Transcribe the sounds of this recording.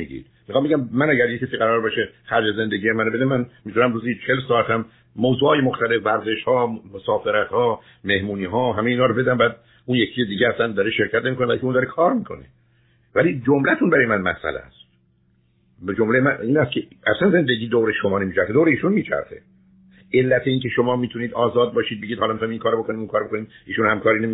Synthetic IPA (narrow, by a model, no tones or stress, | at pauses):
iɡḭːd̪̥̚mixɑːmbeɟæmmænæɟæɾjecʰːesiːɣæɾɒːɾbeʃexæɾd͡ʒeze̞nd̪eɡɟiːjemænobe̞d̪emænmiːt̪ʰunæmduːzit͡ʃʰe̞lsɒːæt̪ʰæm | moːzuːhɒːjemoxt̪æle̞fvæɾze̞ʃhɒːmosɒːfe̞ɾæt̪hɒː | me̞hmuːniːɦɒːɦæmejiːnɒːɾobe̞d̪æmbææd̪ | unjecʰiːjed̪iːɟeæsænd̪ɒɾeʃe̞ɾcʰæt̪nemikonbælkeund̪ɒɾekʰɒːɾmiːkʰo̞̰ne | væliːd͡ʒomlæt̪ʰunbæɾɒːjemænmæ̰sʔæ̰læ̰st̪ | bed͡ʒomlejmæiːnæst̪kʰeʔæslænze̞nd̪eɟiːd̪owɾeʃomɒːnemiːt͡ʃʰæɾxed̪owɾeiːʃunmiːt͡ʃʰæ̰ɾxḛ | e̞lːæt̪ʰeiːŋkʰe̞ʃo̞mɒːmiːt̪ʰuniːd̪ɒːzɒːd̪̚bɒːʃiːd̪̚be̞ɟid̪hɒlɒmit̪imiŋkʰɒːɾobo̞koniːmuŋkɒːɾbokoniːd̪iːʃunhæmkʰɒːɾiːne